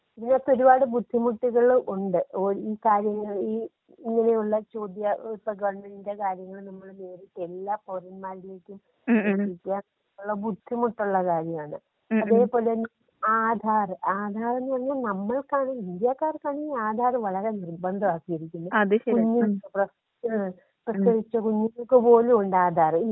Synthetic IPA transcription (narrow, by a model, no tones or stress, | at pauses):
pinːot̪ːo̞ɾubaːɽɨbud̪ʱːimuʈːiɣɐɭʔuɳɖɨoiːkaːɾjɐŋːɐɭiː | iŋːɐne̞juɭːɐt͡ɕo̞ːd̪jɐp̪ːɐɡɐʋɐɳmenindekaːɾjɐŋːɐɭnɐmːɐɭne̞ːɾiʈːe̞lːaːporɐnmaːɾile̞ːkʲːum | mɐʈikʲːaːɐ | uɭːɐbud̪ʱːimuʈːuɭːɐkaːɾjɐmaːɳɨ | ɐðeːpo̞ːlen | aːd̪ʱaːrɨaːd̪ʱaːre̞nːɨpɐrɐɲːanɐmːɐɭkaːɳiind̪jakːaːrkaːɳiaːd̪ʱaːrɨʋɐɭɐɾe̞nirbɐnd̪ʱɐʋaːkːijɐɾikʲːunːuɐðkuɲːuprɐ | prɐskɐɾit͡ɕːɐkuɲːiŋːɐɭkɨpo̞ːluuɳɖaːd̪ʱaːri